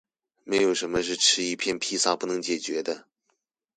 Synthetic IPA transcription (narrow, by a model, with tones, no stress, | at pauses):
me˧˥ɪjo˨˩ʊʂə˧˥nmə˧ʂ̬ɻ̩˥˩ʈ͡ʂʰɻ̩˥i˧˥˧pʰjɛ˥˩npʰi˥sa˥˩pu˥˩nɤ˧˥ŋt͡ɕjɛ˨˩t͡ɕɥɛ˧˥d̪ə˧